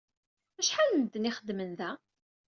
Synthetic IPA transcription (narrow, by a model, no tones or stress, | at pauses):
æʃħalənd̪niχəd̪mənðæ